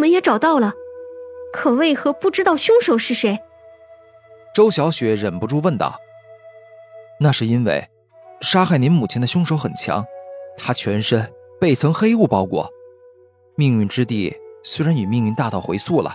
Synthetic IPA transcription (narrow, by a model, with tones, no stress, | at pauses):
mə˦njɛ˧˥ʈ͡ʂɑ˨˩ʊt̪ɑ˥˩ʊlə˩ | kʰɤ˨˩we˥˩ɪxɤ˧˥pu˥˩ʈ͡ʂɻ̩˥t̪ɑ˥˧ʊɕjʊ˥ŋʂo˨˧˥ʊʂɻ̩˥˩ʂe˧˥ɪ | ʈ͡ʂo˥ʊɕjɑ˧˥ʊɕɥɛ˧˥ɻə˨˩npu˧˥ʈ͡ʂu˥˧wə˥˧nt̪ɑ̰˥˩ʊ | na˥˧ʂɻ̩˥˩i˥nwḛ˥˩ɪ | ʂa˥xa˥˩ɪni˧˥nmu˨˩t͡ɕʰɛ˥nd̪ə˧ɕjʊ˥ŋʂo˧˥ʊxə˨˩nt͡ɕʰjɑ̰˧˥ŋt̪ʰa˥t͡ɕʰɥɛ˧˥nʂə˥npe˥˩ɪt͡sʰɤ˧˥ŋxe˥ɪu˥˩pɑ˥ʊkwɔ̰˥˩ | mi˥˧ŋy˥˩nʈ͡ʂɻ̩˥t̪i˥˩swe˥ɪɻa˧˥ny˨˩mi˥˧ŋy˥˧nt̪a˥˧t̪ɑ˥˩ʊxwe˧˥ɪsu˥˩lə̰˩